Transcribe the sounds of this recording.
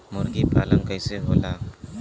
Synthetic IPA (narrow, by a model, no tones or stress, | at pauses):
mɔɾɡipalaŋkajseɦola